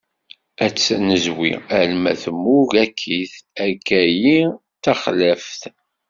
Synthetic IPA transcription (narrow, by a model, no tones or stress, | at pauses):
æt͡sːnəzwḭælmæθəmːuɡækʰːiθækːæji | t̪æχlæfθ